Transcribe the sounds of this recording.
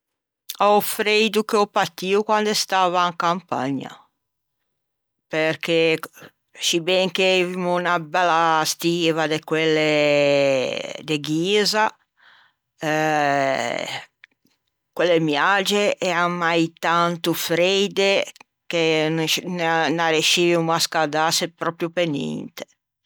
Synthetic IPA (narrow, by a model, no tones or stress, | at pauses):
aufɾejd̪ukeɔpat̪iukwand̪est̪aːvaŋkampa̰ɲa̰ | peɾke | sibɛŋkevimunabɛlːast̪iːvad̪ekwelːe | d̪eɡiːza | kwelːemjad͡ʒeʔɛamajt̪ant̪ufɾed̪e | kennnaɾeʃivimuaskad̪asepɾɔpɾjupenḭnt̪e̥